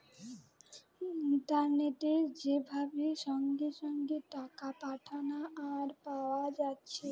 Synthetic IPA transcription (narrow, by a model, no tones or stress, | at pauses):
it̪aɾneʈed͡ʑebʱabeʃɔŋɡiʃɔŋɡiʈakapaʈʰanaʔːɾpawad͡ʑatːɕʰe